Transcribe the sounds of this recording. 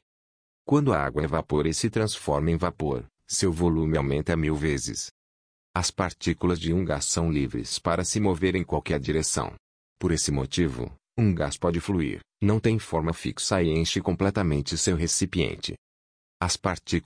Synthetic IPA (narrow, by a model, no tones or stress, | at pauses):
kwɐ̃nd̪ʊɐa̰ɡwɐvapoɾɪsɪt̪ɾɐ̃sfɔɾmẽj̃vapoɾ | sewvolũmɪawmẽnt̪ɐmiwvezɪ̰s | ɐspaɾt͡ʃikulɐzd͡ʒɪũɡassɐ̃w̃livɾɪ̰spaɾɐsɪmoveɾẽj̃kwawkɛɾd͡ʒiɾesɐ̰̃w̃ | poɾesɪmo̰t͡ʃivʊ̰ | ũɡaspɔd͡ʒɪfluḭɾ | nɐ̃w̃t̪ẽj̃fɔɾmɐfḭksɐiẽʃɪkõplɛt̪ɐmẽnt͡ʃɪsewɦesipiḛ̃nt͡ʃɪ̰ | ɐspaɾt͡ʃi